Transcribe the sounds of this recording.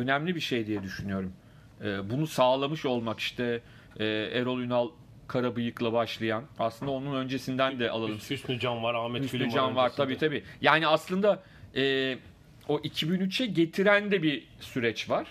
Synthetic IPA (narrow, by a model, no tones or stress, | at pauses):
ø̞næmlʲibiʃe̞jd̪ijɛd̪yʃynyjo̞ɾum | ɛːbunusaːlˠamɯʃo̞lˠmaki̥ʃt̪ʰɛ | ɛːeɾo̞lˠynalˠ | kʰaɾabɯjɯklˠabaʃlˠajana̰slˠɯnd̪ao̞nunø̞nd͡ʒe̞sind̪ænd̪ɛʔa̰lˠalˠɯmysnyd͡ʒamvaɾaːmɛyssyd͡ʒamvaɾt̪ʰabiːt̪ʰabiːjaːniaslˠɯnd̪a | ɛː | o̞ʔicʰibinyt͡ʃʰɛɟe̞t̪ʰiɾænd̪ɛbi | syɾɛt͡ʃvaɾ̥